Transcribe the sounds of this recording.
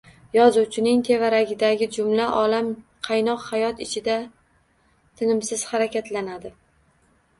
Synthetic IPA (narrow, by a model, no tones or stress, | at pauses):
jɒzuwt͡ʃʰɪnɪŋt̪ʰe̞vaɾaɡʲɪd̪aɡʲɪd͡ʒʊmlaʔɒlamqʰɑjnɒqhajɒt̪ɪt͡ʃʰɪd̪a | t̪ʰɪnɪmsɪz̥haɾakʲat̪lanad̪ɪ